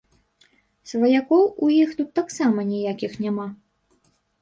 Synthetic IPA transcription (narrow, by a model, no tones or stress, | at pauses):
svɐjakɔwujixt̪ut̪ːaksamɐnʲijakʲixnʲama